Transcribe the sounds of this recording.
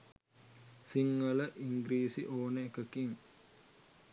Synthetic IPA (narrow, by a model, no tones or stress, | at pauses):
siŋːələʔiŋɡɾiːsiʔoːnəekəkiŋ